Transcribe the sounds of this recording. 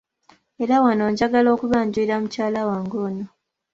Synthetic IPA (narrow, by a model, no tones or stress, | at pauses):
e̞ɾawanoːɲɟaɡalo̞ːkuβaːɲɟuiɾamucaːlawaːŋɡoːno